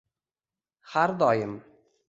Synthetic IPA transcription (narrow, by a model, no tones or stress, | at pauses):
haɾd̪ɒːjɪm